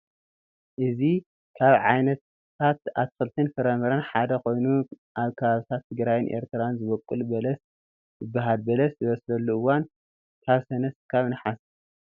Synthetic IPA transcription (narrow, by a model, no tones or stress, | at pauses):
ʔɨzi | kʰaβʕa̰jnɐt̪ʰ | at̪̚a̰βt̪ʰɨkɨlt̪ʰinfɨɾɐmɐɾɐnħad̪ɐkʰo̞jnu | ʔaβkʰɐβaβit̪ʰat̪ʰːɨɡɾajɪnʔḛɾt̪ʰɨɾanzɨβɐkʼːɨlbɐlɐs | bɨbːaɦalbɐlɐszɨβɐslɐlːuɨwan | t̪ʰaβsɐnɐskʰaβnɨħas